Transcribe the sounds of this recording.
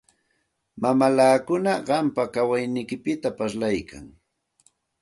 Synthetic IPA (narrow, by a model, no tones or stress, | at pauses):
mamalaːkʊnaɢɑmpakawajnɪjkɪpɪt̪apaslajkʰa̰ŋ